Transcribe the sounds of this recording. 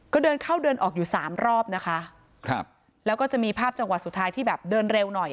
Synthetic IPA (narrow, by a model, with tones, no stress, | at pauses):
kɔː˥˩dɤː˧nkʰaː˥˩wdɤː˧nʔɔː˨˩k̚juː˨˩saː˩˦mɾɔː˥˩p̚na˦˥kʰa˦˥ʔ | kʰa˦p̚ | lɛː˦˥wkɔː˥˩t͡ɕa˨˩miː˧pʰaː˥˩p̚t͡ɕa˧ŋwa˨˩t̪̚su˨˩t̪ʰːaː˦˥jt̪ʰiː˥˩bɛː˨˩p̚dɤː˧nɾe˧wnɔ˨˩j